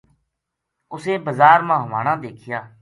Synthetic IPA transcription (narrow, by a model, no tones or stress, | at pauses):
ʊsẽːbəzaːɾmãːɦʋaːɽãːd̪eːkʰɪjaː